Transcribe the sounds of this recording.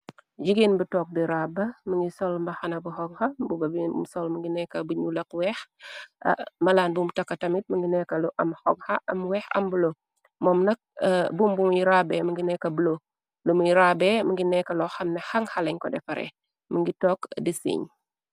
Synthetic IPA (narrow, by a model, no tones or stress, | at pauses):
d͡ʒiɡenbutɔk̚diɾabɐməŋɡisɔlmbɐxɐnɐbuhɔɡhɐbubɐbiṵmsɔlməŋɡinɛkːɐbuɲulɐkwɛːx | mɐlaːnbumtɐkːɐtɐmit̚məŋɡinɛkːɐluʔɐmhɔɡ̚hɐʔɐmwɛːxɐ̰mbulo | mɔːmnɐk̚ːbumbumujɾaːbɛməŋɡinɛkːɐbulo | lumujɾaːbɛməŋɡinɛkːɐlɔxɐmnɛhɐŋhɐlɐɲkɔdɛfɐɾɛ̰ | məŋɡitɔkdisḭɲ